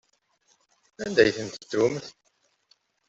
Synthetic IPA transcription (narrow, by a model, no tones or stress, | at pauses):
ænd̪æjθənt̪ət̪ːumθ